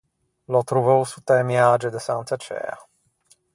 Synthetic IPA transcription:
lɔt̪ɾuvəwsut̪ɛmjad͡ʒɛd̪ɛsant̪sat͡ʃɛ̰ːa̰

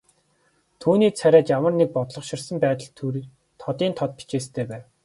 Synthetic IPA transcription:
t̪ʰuːniːt͡sʰæɾʲæːt͡ɕjamə̆rnek̚pɔt̪ɮɞ̆χʃɪ̆rsə̆mpæːt̪ə̆ɮt̪ʰuɾ | t̪ʰɔt̪iːnt̪ʰɔt̪̚pi̥t͡ɕeːst̪ʰeːpæːw

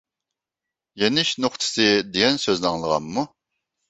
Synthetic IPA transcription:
jenɪʃnoχt̪ʰɨ̥sɨd̪eɡʲɛnsøznɑŋlˠəʁɑ̰mːu

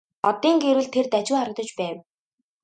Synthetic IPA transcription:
ɔt̪iːŋɡeɾwɘ̆ɮt̪ʰert̪æt͡ɕuːχaɾə̆t̪ɞ̆t͡ɕpæːw

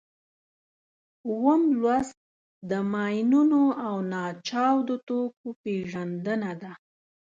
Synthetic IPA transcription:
wəmlwaz | d̪əmɑjnunoawnɑt͡ʃɑwd̪ot̪okopeʒand̪ənad̪a

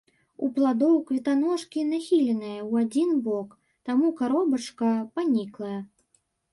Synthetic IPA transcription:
uplˠad̪ɔwkvʲɛt̪anɔʂkʲinaxʲilʲɛnɨjɐwad͡zʲinbɔk | t̪amukaɾɔbɐt͡ʂkɐpanʲiklˠɐjɐ

